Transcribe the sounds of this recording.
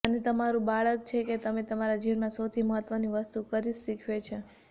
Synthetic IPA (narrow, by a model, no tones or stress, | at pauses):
ənet̪əmaɾũbaɭək̚t͡ʃʰeket̪əmet̪əmaɾad͡ʒiʋnmãsəwt̪ʰiməɦət̪ʋəniʋəst̪ukəɾiʃikʰʋet͡ʃʰe